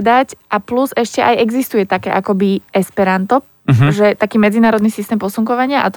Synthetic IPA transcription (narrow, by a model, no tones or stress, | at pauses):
d̪acʔapluzɛʃcɛʔajɛɡzist̪ujɛt̪akɛːʔakɔbiɛspɛɾant̪ɔ | ʒɛt̪akiːmɛd͡zinaːɾɔd̪nisist̪ɛːmpɔsuŋkɔʋaɲɪaʔat̪